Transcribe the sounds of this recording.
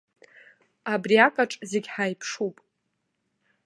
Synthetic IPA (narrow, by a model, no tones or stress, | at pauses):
abriakʼaʈ͡ʂʼzeɡʲħajpʰʂupʼ